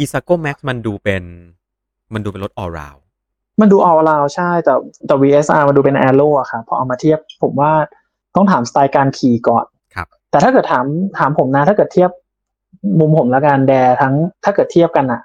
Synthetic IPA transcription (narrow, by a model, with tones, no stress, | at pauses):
ʔi˧sa˧koː˥˩mɛ˦˥k̚sma˧nduː˧pe˧n | ma˧nduː˧pe˧nlo˦t̪̚ʔɔː˧ɾa̰ː˧w | ma˧nduː˧ʔɔː˧ɾaː˧wt͡ɕʰa˥˩jt̪ɛː˨˩t̪ɛː˨˩wiː˧ʔe˦˥sʔaː˧ma˧nduː˧pe˧nʔɛː˧loː˥˩ʔa˨˩kʰa˥˩pʰːɔ˧˦˥ʔa˧wmaː˧t̪ʰi˥˩əp̚pʰːo˩˦mwaː˥˩ | t̪ɔ˥˩ŋt̪ʰaː˩˦mst̪aː˧jkaː˧nkʰiː˨˩kɔ̰ː˨˩n | kʰa˦ | t̪ɛː˨˩t̪ʰa˥kɤː˨˩t̪ʰaː˩˦mt̪ʰaː˩˦mpʰo˩˦mna˦˥t̪ʰaː˥˩kɤː˨˩t̪ʰi˥˩əp̚ | mu˧mpʰo˩˦mlɛ˦˥ka˧ndɛː˧t̪ʰa˦˥ŋt̪ʰaː˥˩kɤː˨˩t̪ʰːi˥˩əp̚ka˧nʔa˨˩ʔ